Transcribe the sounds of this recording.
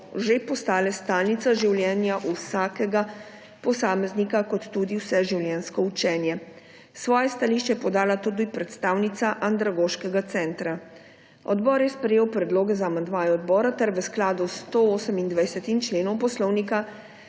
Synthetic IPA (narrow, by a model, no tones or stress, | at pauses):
ʒepɔst̪aːlɛst̪aːlnit̪saʒiwljɛːnjaʔusaːkɛɡa | pɔsaːmɛznikakɔt̪ːud̪iwsɛʒiwljɛnskɔut͡ʃɛːnjɛ | sʋɔːjɛst̪aliʃt͡ʃɛjɛpɔd̪aːlat̪ud̪ipɾɛt̪st̪aːwnit̪saʔand̪ɾaɡoːʃkɛɡat̪sɛːnt̪ɾa | ɔd̪bɔːɾjɛspɾɛjeːwpɾɛd̪loːɡɛzaːmand̪maːjɔːd̪bɔːɾat̪ɛɾʋɛsklaːd̪ust̪ooːsəmind̪ʋajsɛt̪int͡ʃleːnɔwpɔslɔwnika